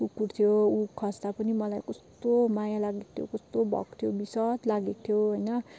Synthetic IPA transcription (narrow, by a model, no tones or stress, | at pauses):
ukːurt̪ʰjoukʰʌst̪apʌnimʌlajkʌst̪omajalaɡik̚t̪ʰjo̰kʌst̪obʱʌ̰kt̪ʰjobisʌt̪laɡik̚t̪ʰjoɦojnʌ